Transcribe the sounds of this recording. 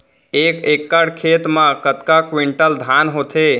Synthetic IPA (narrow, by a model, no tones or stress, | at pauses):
ekekːəɽkʰet̪mãkət̪kakwiɳʈəld̪ʱanɦot̪ʰe